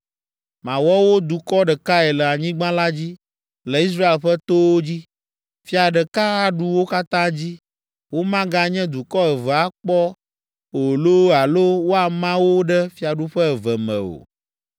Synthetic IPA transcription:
mã˨wɔ˦wo˦d̪u˨kɔ˦ɖɛ˨ka˦ɛ˨lə˨a˨ɲĩ˦ɡ͡bã˦la˦d͡ʑi˦ | lɛ˨i˦s̬ɾa˦e˨lɸɛ˦t̪o˦wo˦d͡ʑi˦ | fi˦a˨ɖɛ˨ka˦a˨ɖu˦wo˦ka˦t̪ã˦d͡ʑi˦ | wo˦mã˦ɡã˦ɲɛ̃˦d̪u˨kɔ˦ɛ˨və˨a˦k͡pɔ˦ | o˨lo˦a˨lo˦wo˦a˨mã˦wo˦ɖɛ˦fi˦a˨ɖu˦ɸɛ˦ɛ˨və˨mɛ̰̃˨o̰˨

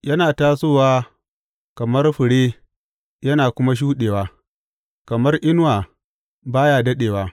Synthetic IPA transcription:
jɐ˦naː˨taː˦soː˦˨waː˦ | kɐ˨mɐ˦rɸɪ˨ɽeː˦ | jɐ˦naː˨kʷʊ˦ma˦ʃ̬uː˦ɗeː˨waː˦ | kɐ˨mɐ˦rʔɪ˦nwaː˨ | baː˦jaː˨dɐ˦ɗeː˨waː˦

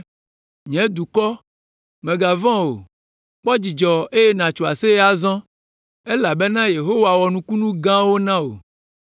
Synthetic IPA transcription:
ɲɛ̃˨˦d̪u˨kɔ˦ | mẽ˨ɡa˨vã˦wo̰˨ | k͡pɔ˦d͡ʑi˨d͡ʒɔ˨e˦je˦nã˨t͡ʃo˨a̰˨se˦a˦˨zɔ̃˦ | e˦la˨be˦nã˦je˨ɦo˦wa˨wɔ˨nũ˨ku˦nũ˦ɡã˦wo˦nã˦o̰˨

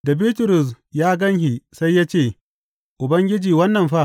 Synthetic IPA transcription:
da˨biː˦tʊ˨ɾʊ˨s | jaː˦ɡɐ˦ŋhi˨sa˦jːaː˦t͡ʃeː˦˨ | ʔʊ˨bɐ˦ŋɡʲɪ˦d͡ʒiː˨wɐ˦nːɐ˨mɸa˦

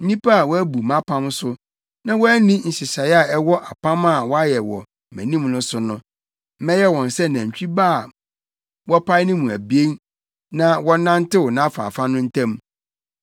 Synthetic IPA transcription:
n̩˦nĩ˦pʰa˦a˨wɔ˦æ˦bu˨mã˦pʰã˦msʊ˦ | nã˦wɔ˦æ˦nĩ˦n̩˨ɕɪ˨ɕa˨˦a˦˨ɛ˦wɔ˦ʔa˨pʰã˦mã˦˨wɔ˦a˦jɛ˨wɔ̰˨ | mæ̰̃˨nĩ˦mnʊ̃˦sʊ˦nʊ̃˦ | m̩˦mɛ̃˦jɛ˦wɔ̃˨n˨sɛ˦nã˨ɲ̩˨t͡ɕᶣi˦ba˦˨ | wɔ˦pʰa˦ɪ˦nɪ̃˦mũ˨æ˨bi˦e˦n | nã˨wɔ̃˦nã˦n˦tɪ˦wɔ˨nã˦fa̰ː˨fa˦nʊ̃˦n̩˦tʰæ̃˦m

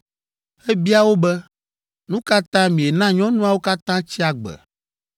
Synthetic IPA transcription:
ɛ˦bi˦a˦wo˦bɛ˦ | nũ˦ka˦t̪ã˦mĩ˨e˨nã˦ɲɔ̃˦nũ˦a˨wo˦ka˦t̪ã˦t͡ɕi˦a˦ɡ͡bɛ̰˨

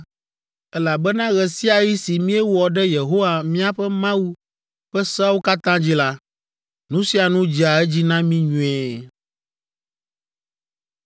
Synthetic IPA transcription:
ɛ˦la˨bɛ˦nã˦ɣɛ˨si˦a˨ji˦si˨mĩ˦ɛ˦wɔ˨ɖɛ˦je˨ɦo˦wa˨mĩ˦a˨ɸɛ˦mã˦wu˦ | ɸɛ˦sa˦wu˦ka˦t̪ã˦d͡ʑi˦la˦ | nũ˦si˦a˨nũ˦d͡ʑi˨a˨ɛ˦d͡ʑi˦nã˦mĩ˦ɲũ˨ɛ˦˨

